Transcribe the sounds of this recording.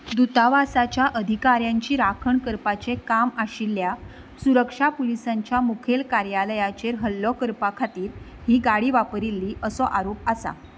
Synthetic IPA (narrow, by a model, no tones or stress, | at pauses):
d̪ut̪aʋasat͡ɕjaʔəd̪ʱikaɾjãɲt͡ɕiːɾakʰəɳkəɾpat͡sekamaɕilːja | suɾəkʂapulisaɲt͡ɕjamukʰelkaɾjaləjat͡ɕeɾɦəlːɔkəɾpakʰat̪iːɾ | ɦiːɡaɽiːʋapɾilːiːʔəsɔʔaɾop̚asa̰